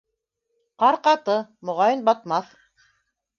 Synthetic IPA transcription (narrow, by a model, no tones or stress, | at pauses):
qɑɾqɑt̪ɤmŏʁɑjɤnbɑt̪̚mɑθ